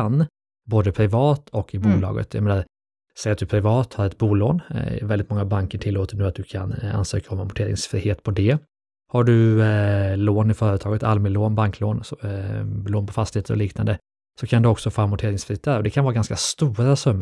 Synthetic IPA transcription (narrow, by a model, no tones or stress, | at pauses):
anː | boːd̪əpʰɾɪvɑːt̪ʰɔkːɪbuːlɑ̰ːɡə̰t̪ja̰meːnaɾ | sɛjat̪̚d̪ɵpʰɾɪvɑːt̪haɾɛt̪̚buːloːnvɛld̪ɪt̪mɔŋːabaŋkəʈʰɪlːoːt̪əɳʉat̪̚d̪ɵkʰa̰na̰nsø̰ːkaɔmːamʊʈʰeːɾɪ̰ŋsfɾḭːheːt̪pʰɔd̪ɛ | haɖɵ | loːnɪfœːɾət̪ʰɑːɡət̪almɪloːnbaŋkʰloːnsɔloːnpʰɔfast̪ɪheːt̪əɾɔ̰liːknand̪ə | sɔkʰand̪ɵɔksɔfoːamʊʈʰeːɾɪŋsfɾiːt̪ɛɾɔd̪ɛkʰanvɑːɾɡanskast̪uːɾasœmːə